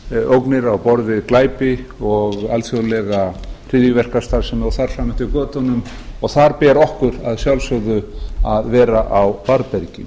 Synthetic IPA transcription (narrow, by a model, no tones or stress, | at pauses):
owknɪɾawpɔɾðɪklaːjpɪɔɣalsjowlɛɣar̥ɪðjʏvɛr̥kast̪aɾsɛmɔθaɾ̥saːmɛn̥t̪ɪkœːt̪ʏnʏm | ɔɣθaɾpɛːɾɔhkʏɾaðsjawlsœɣðʏaðvɛːɾaʔawpaɾpɛɾcɪ̰